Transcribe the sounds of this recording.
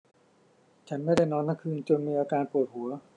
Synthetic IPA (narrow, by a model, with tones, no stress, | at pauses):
t͡ɕʰa˦˥nma˥˩jda˥˩jnɔː˧nt̪ʰa˥˩kʰɯː˧nt͡ɕo˧nmiː˧ʔaː˧kaː˧npuː˨˩t̪̚hu˩˦ɐ